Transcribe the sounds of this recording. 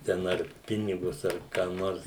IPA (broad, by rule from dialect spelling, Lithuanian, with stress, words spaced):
tʲɛn ˈɐr ˈpʲɪnʲɪɡʊs ɐr kɑː ˈnoːrs